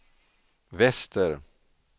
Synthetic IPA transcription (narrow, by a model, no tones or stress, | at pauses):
vɛst̪əɾ